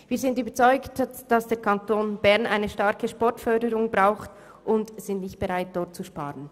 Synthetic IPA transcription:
viːɐzɪntyːbət͡sɔʏktd̥ɑsd̥eːɐkʰɑntʰoːnbɛʁnʔa̰ɪnəʃtaɾkəʃpɔɹtfœɐdəɾʊŋbʁaʊxt | ʔʊndz̥ɪntnɪçt̚b̥ɛʁaɪt̚d̥ɔʁt̚t͡suʃpa̰ːʁən

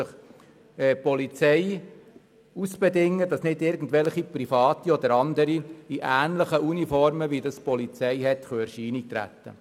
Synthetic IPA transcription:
əχ | ɛpɔlit͡sɛɪ | usb̥ɛdɪŋːədɑsnɪdɪɾɡn̩dʋɛlχipɾifɑːt̪iɔd̪əɾɑnd̪əɾiiʔæːnləχəunifɔɾməʋidɑspɔlit͡sɛɪɦɛtχøːɛɾʃiːnik̚t̪ɾæ̰t̪ːə̰

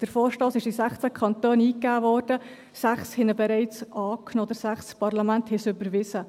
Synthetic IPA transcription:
d̥əɾfoːɾʃtoːsɪʃɪsæχt͡sækʰχɑnt̪øːniːkːæːvɔːɾd̥ə | sæχshɪnəbɛɾɛɪt͡sʔɑːknoːd̪əɾsæχspɑɾlɑmænt̪hɛsʏbəɾʋɪsə

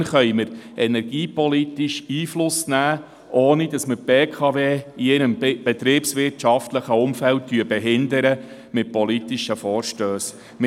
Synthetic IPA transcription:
χœʏməɾɛnɛɾɡ̥iːpɔlit̪iʃiːflʊsnæː | ʔoːnidɑsməɾpeːkʰɑveːiɛnəmb̥ɛt̪ɾiːpsʋɪrtʃɑft̪ləχəʊmfælt̚tːyəbɛɦɪnd̪əɾə | mɪt̚pɔlitiʃəfɔːɾʃtøːs | m

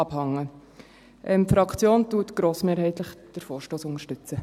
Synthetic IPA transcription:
ɑbhɑŋːə | ʔɛmfɾɑkʰt͡sjoːntuːətɡ̥ɾoːsmeːɾɦɛɪtləχd̥əɾfoːɾʃtoːsʊnəʃtʏt͡sə

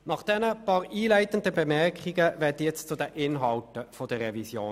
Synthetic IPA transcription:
nɑχd̥ɛnəpɑːɾiːlæɪtən̩dəbɛmɛʁkχiɡəvɛɐtjɛt͡st͡sʊdɛʔɪnɦɑltəfɔd̥əʁːɛvisjoː

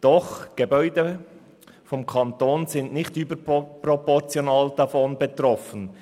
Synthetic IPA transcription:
d̥ɔχɡ̥ebœʏdə | fɔmkʰɑntoːnzɪndnɪxtyːbəprɔpɔʁt͡sjonaːld̥afɔnbetrɔfən

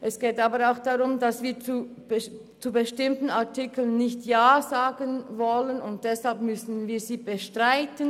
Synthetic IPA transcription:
ʔɛsɡ̥eːtaːbəɾaʊxd̥aʁʊmdasviːɐt͡sub | t͡subəʃtɪmtn̩aɐtɪkl̩ənːɪçtjaːzaːɡənvɔlənʊnt̚d̥ɛshalpmʏsn̩viːziːbəʃtʁ̥aɪtən

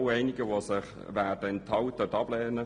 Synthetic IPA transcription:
wɛɪnɪɡəʋosɪχ | ʋæːd̥əɛnt̪hɑwt̪ətɑb̥leːnə

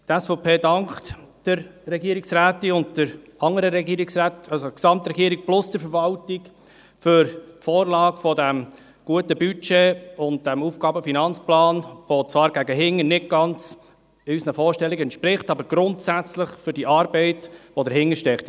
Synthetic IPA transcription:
tɛsfɔpʰeːdɑŋkt | d̥əɾɾɛɡiəɾɪksɾæːtiʊntd̥əɾɑŋəɾəɾɛɡiːɾiksɾæːtɑlsoksɑmt̪ɾɛɡiːəɾik̚plʊsd̥əɾfəɾʋɑltiɡ | fʏɾtfɔːɾlɑːɡfɔdæm | ɡ̥uətəbyt͡ʃeːʊnt̚d̥æmufɡ̥ɑːbəfinɑnt͡splɑːnʋot͡sʋɑːɾɡæɡəɦɪŋːənɪt̚ɡ̥ɑnt͡s | ysnəfɔːɾʃtɛlːiɡɛnt̪ʃpɾɪχtɑbəɾɡ̥ɾʊntsæt͡slɪχfʏɾd̥iʔɑːɾbɛɪtʋodəɾɦɪŋəɾʃtɛkχt

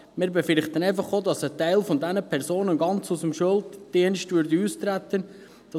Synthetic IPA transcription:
mɪːɾbɛfɪɾχt̪ənɛɪfɑχoːdɑsətɛɪlfɔndænəpʰɛrsoːnənɡɑnt͡susəmʃøltd̥iənʃtvʏɾdiuːst̪ɾætːən | d̥ɑ

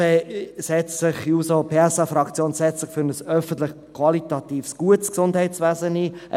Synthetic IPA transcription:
esɛt͡ssɪχuːsopʰeːɛsɑfɾɑkt͡sjoːnsɛt͡sɪχfʏɾnəsœfən̩t̪lɪχ | kʰwɑlit̪ɑt̪iːfsɡ̥uətsksʊndhɛɪtt͡svæːzəniːʔə̰

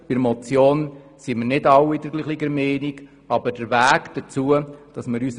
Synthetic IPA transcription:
b̥ɪɾmɔt͡sjoːn | siminɪdɑwidəɾɡliχliɡəɾmeːniɡ̥ | ɑbəɾd̥əɾvæːɡd̥ət͡suəd̥ɑsməɾys

